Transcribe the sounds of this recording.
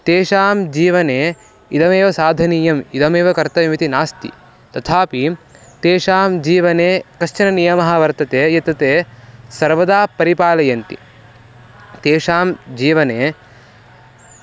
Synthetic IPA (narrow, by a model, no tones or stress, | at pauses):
t̪eːʃaːmd͡ʒiːʋɐneː | id̪ɐmeːʋɐsaːd̪ʱɐniːjɐmid̪ɐmeːʋɐkɐɾt̪ɐʋɐmit̪inaːst̪ḭ | t̪ɐt̪ʰaːpit̪eːʃaːmd͡ʒiːʋɐneːkɐʃt͡ʃɐnɐnijɐmɐɦɐʋɐɾt̪ɐt̪eːjɐt̪ɐt̪eːsɐɾʋɐd̪aːpɐɾipaːlɐjɐnt̪ḭ | t̪eːʂaːmd͡ʒiːʋɐneː